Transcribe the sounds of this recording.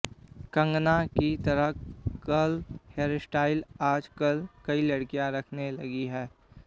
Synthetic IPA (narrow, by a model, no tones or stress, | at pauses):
kɐ̃ŋɡnakit̪ɐɾəɦkəlheːɾsʈaːɪlaːd͡ʒkəlkɐilɐɽkijãɾɐkʰnelɐɡiɦɛː